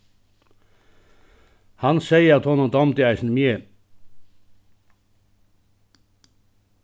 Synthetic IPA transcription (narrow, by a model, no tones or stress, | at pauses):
hɑnsæɪəɑt̪hɔnɔd̪ɑmt̪ɪæɪsn̩əmje